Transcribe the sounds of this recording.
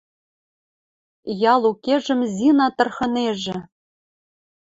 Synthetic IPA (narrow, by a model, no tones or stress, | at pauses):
jɑlˠukeʒɘ̆mzʲinɑt̪ɤ̆rxɤ̆neʒɘ̆